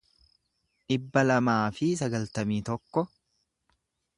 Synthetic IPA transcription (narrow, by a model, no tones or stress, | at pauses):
ʔɪbːɐlɐmaːfɪs̬ɐɡɐlt̪ɐmiːt̪ɔkːɔ